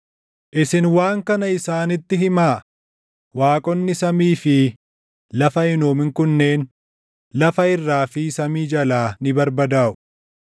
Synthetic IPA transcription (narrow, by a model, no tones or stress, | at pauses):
ʔɪsɪnwaːŋkɐnɐɪsaːnɪt̪ːɪɦɪmaː | waːkʼɔnːɪsɐmiːfɪ | lɐfɐɪnoːmɪŋkʊnːe̞ːn | lɐfɐɪrːaːfɪsɐmiːd͡ʒɐlaːnɪbɐɾbɐd̪aːʔʊ̥